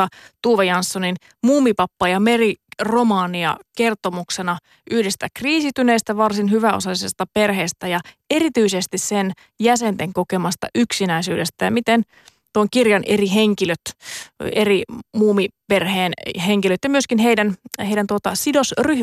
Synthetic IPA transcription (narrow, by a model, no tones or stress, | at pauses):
ɑt̪uːʋejɑnsːonin | muːmipɑpːɑjɑmeriromɑːniɑ̰ke̞rt̪omuksenɑ | ʔyhdest̪ækriːsit̪yneːst̪æʋɑrsinhyʋæo̰sɑisest̪ɑperheːst̪æjɑerit̪yisest̪issen | jæsent̪eŋkokemɑst̪ɑ̰ʔyksinæisyːdest̪æjɑmit̪en | t̪uoŋkirjɑnʔeriɦeŋkiløt̪ | erimuːmiperheːnɦeŋkiløt̪jɑmyøskinɦeidænheijdænt̪uot̪ɑsidosry